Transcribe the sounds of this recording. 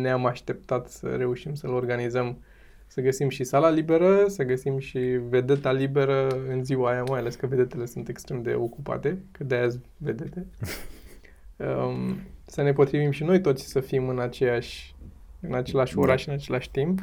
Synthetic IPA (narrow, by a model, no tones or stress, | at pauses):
neamaʃt̪e̞p̚t̪at̪sə̰ɾe̞uʃimsəlo̞rɡanizəm | səɡəsimʃisalalibe̞ɾəsəɡəsimʃive̞d̪e̞t̪alibe̞ɾəɨnziwaːjamajale̞skəve̞d̪e̞t̪e̞le̞sunt̪e̞kst̪ɾe̞md̪e̞̰o̞kupa̰t̪e̞kɨt̪̚d̪ejazʲ | ve̞d̪et̪e | ə | səne̞po̞t̪ɾivimʃino̞jt̪o̞t̪sʲsəfimɨnat͡ʃejaʃʲɨnat͡ʃe̞laʃʲo̞ɾaʃɨnat͡ʃe̞laʃʲt̪imp